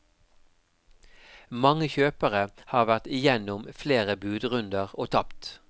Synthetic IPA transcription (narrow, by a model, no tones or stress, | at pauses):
mɑŋəçøːpəʁəhɑːʁʋæʁt̪ɪjɛnʊmfleːʁəbʉːd̪ʁʉnd̪əʁoːt̪ʰɑpt̪